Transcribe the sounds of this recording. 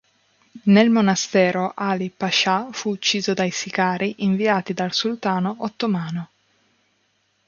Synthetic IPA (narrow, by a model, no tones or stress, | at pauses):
nelmonast̪ɛːɾoʔaːlipaʃafuːt͡ʃːiːzod̪ajsikaːɾiʔiɱviaːt̪id̪alsult̪aːnoʔot̪ːomaːno